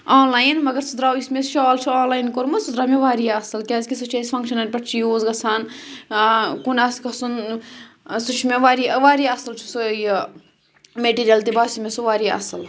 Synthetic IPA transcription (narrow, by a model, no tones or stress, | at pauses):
aːnlaːjnmɐɡɐɾt͡sʰud̪ɾaːwismesʃɔːlt͡ʃʰiaːnlaːjnkoɾmɐt͡sʰud̪ɾaːmeʋaːɾijɐsɐlkʲaːzʲkʲisɐt͡ʃʰaːsʲfɐ̃ŋkʃɐnɐnʲpɐʈʰt͡ʃʰijoːzɡɐsʰaːn | kunaːskɐsun | sut͡ʃʰimeʋaːɾiɐʋaːɾiɐsɨlt͡ʃʰu̥soj | meʈiːɾijɐlt̪ibaːsimʲesuʋaːɾiɐ̰sɐl